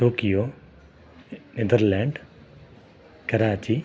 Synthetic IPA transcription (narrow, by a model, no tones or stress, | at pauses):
ʈoːkijoː | ned̪ɐɾlaːɳɖ | kɐɾaːt͡ʃi